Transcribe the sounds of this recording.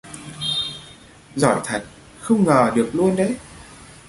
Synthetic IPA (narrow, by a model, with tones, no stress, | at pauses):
zɔ̰˧˩jt̪ʰə˨˩k̚ | xə˧wŋ͡mŋəː˨˩ɗɨ˨˩ək̚lu˧ənɗə˧˦j